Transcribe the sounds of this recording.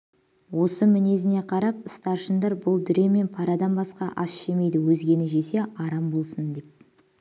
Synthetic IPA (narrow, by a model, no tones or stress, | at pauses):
wo̞səmɪne̞zɪne̞qʰɑɾɑp̚əst̪ɑɾʃənd̪ɑɾbʊlˠd̪ʏɾe̞me̞npʰɑɾɑd̪ɑnbɑsqɑʔɑsʃe̞me̞jd̪ɪwɵzɡʲe̞nɪʒe̞se̞ɑɾɑmbo̞lˠsənd̪e̞p̚